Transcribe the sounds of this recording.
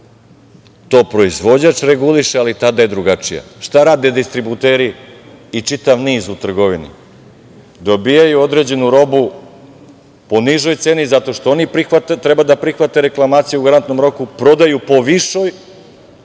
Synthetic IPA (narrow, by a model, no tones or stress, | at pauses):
t̪o̞ːpɾo̞izʋo̞d͡ʑat͡ʃɾeɡuliʃealit̪ad̪aje̞d̪ɾuɡat͡ʂija̰ʃt̪aɾaːd̪e̞d̪ist̪ɾibut̪e̞ːɾiː | t͡ʂit̪aʋniːzut̪r̩ɡo̞ʋinḭ | d̪o̞bijajuo̞d̪ɾe̞d͡ʑe̞nuɾo̞bu | po̞niʒo̞jt̪se̞nizat̪o̞ʃt̪oonipɾixʋat̪t̪ɾebad̪apɾixʋat̪e̞ɾe̞klˠamaːt̪sijuuɡaɾant̪no̞mɾo̞kupɾo̞d̪ajupo̞ʋiʃo̞j